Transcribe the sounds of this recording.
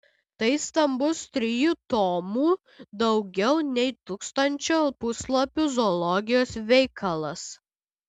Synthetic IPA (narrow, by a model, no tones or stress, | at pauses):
t̪ɐɪst̪ɐmbʊst̪ʲɾʲɪjut̪oːmuː | d̪ɐʊɡʲɛʊnʲɛɪt̪uːkst̪ɐnʲt͡ʃʲoːpʊslˠopʲʊzɔlˠɔɡʲɪjoːsʋʲɛɪkʰɐlˠɐs